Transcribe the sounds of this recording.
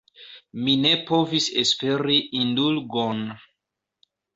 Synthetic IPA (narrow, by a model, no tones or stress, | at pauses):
mine̞po̞visespe̞ɾiʔindulɡon